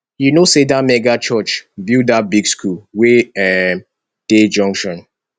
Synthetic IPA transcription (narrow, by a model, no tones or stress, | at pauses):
junosedamɛɡat͡ʃɜt͡ʃbidat̚biɡskʰulweɛ | d̥ed͡ʒɔ̃ŋkʃɔ̃n